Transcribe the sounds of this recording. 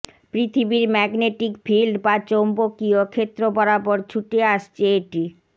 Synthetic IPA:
pɾit̪ʰibiɾmɛɡneʈikfilɖbat͡ɕombokiokʰet̪ːɾobɔɾapɔɾt͡ɕʰuʈeaʃt͡ɕʰeeʈi

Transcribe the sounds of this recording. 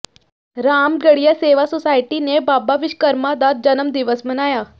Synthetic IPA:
ɾamɡəɽijaseʋasɔsaiʈinebabaʋiʃkəɾmad̪at̪̚d͡ʑənəmd̪iʋəsmənaja

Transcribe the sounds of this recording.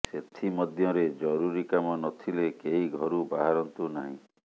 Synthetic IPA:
set̪ʰimɔd̪ʱjɔɾed͡ʒɔɾuɾikamɔnɔt̪ʰilekeɦiɡʱɔɾubaɦaɾɔnt̪unaɦḭ̃

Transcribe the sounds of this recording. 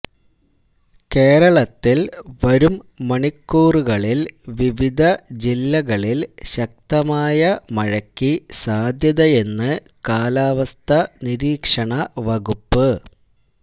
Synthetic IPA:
ke̞ːɾɐɭɐt̪ːilʋɐɾumːɐɳikːuːruɣɐɭilʋiʋid̪ʱɐd͡ʑilːɐɣɐɭilɕɐk̚t̪ɐmaːjɐmɐɻɐkːisaːd̪ʱjɐðɐje̞nːɨ | kaːlaːʋɐst̪ʰɐniɾiːkʂɐɳɐʋɐɣupːɨ

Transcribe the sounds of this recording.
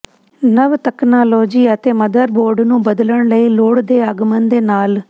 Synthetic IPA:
nəʋt̪əknaːloːd͡ʒiːət̪eːməd̪əɾboːɾɖnũːbəd̪ləɳləiːloːɽd̪eːəɡmənd̪eːnaːl

